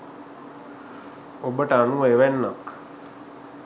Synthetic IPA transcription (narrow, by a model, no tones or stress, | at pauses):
obəʈanueʋɛnːək